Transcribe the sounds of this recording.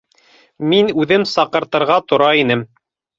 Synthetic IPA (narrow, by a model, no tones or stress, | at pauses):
minʉðɘmsɑqɤ̆ɾt̪ɤ̆ɾʁɑt̪ŏɾɑinɘm